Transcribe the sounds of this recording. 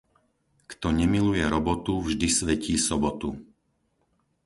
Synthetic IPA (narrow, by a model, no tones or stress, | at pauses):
kt̪ɔɲɛmilujɛɾɔbɔt̪uvʒd̪isʋɛciːsɔbɔt̪u